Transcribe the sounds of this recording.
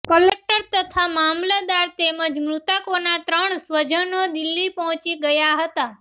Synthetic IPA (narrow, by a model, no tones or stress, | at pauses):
kəlek̚ʈəɾt̪ət̪ʰamamlad̪aɾt̪eməd͡ʒmɾut̪akonat̪ɾəɳsʋəd͡ʒʱənod̪ɪlːipɔɦɔ̃t͡ʃiɡəjaɦət̪a